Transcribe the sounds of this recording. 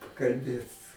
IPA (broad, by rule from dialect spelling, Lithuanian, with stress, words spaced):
kɐlʲˈbʲeːt